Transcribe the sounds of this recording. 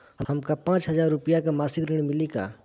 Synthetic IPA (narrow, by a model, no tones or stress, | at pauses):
ɦəhɐmkapãːt͡ʃɦəzaːɾːʊpijakamaːsɪɡɾiɽ̃mɪlika̰ː